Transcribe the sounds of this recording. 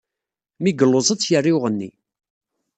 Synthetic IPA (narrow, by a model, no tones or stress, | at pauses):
miɡəlːozˤət͡sːjərːiwʁənːḭ